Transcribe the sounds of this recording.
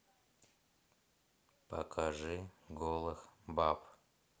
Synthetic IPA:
pɐ̰kʰaʐɨɡolˠɨxbap

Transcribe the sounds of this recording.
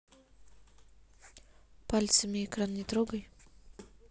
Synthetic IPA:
palʲt̪səmʲɪɪkɾannʲɪt̪ɾoɡəj

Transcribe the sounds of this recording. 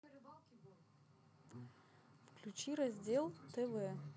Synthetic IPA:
fklʲʉt͡ɕiɾɐzʲdʲelˠt̪ɛvɛ

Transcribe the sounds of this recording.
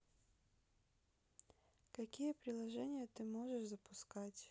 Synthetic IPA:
kɐkʲijɛpɾʲɪlˠɐʒɛnʲɪjɐt̪ɪmɔʐɛʐzɐpʊskatʲ

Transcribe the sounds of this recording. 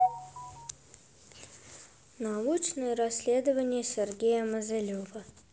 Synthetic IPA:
naut͡ɕnɨjəɾɐsʲlʲe̞d̪əvənʲɪjəsʲerɡʲejəməzʲɐlʲovə

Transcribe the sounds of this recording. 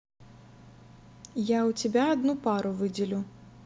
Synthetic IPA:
jawt͡sʲɛbʲaːd̪nupaɾuvɨd͡zʲɪlʲu

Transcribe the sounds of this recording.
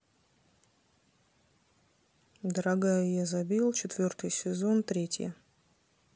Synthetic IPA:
d̪əɾɐɡajʊjazɐbʲilˠt͡ɕɪt̪vʲo̞rt̪ɨjsʲɪzo̞nt̪ɾʲetʲjə̰

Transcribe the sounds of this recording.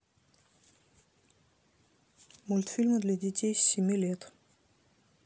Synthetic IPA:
mulʲt̪fʲilʲməd̪lʲad̪ʲɪtʲejsʲsʲɪmʲilʲet̪

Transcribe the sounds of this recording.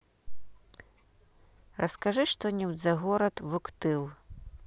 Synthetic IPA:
rɐskaʐɨʂt̪ɔnʲɛwd̪zɐɣɔɾɐt̪vukt̪ɨwˠ

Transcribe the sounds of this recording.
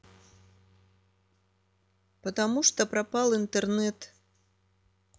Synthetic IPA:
pɐt̪amuʂt̪ɔpɾapalˠint̪ɛrnɛt̪

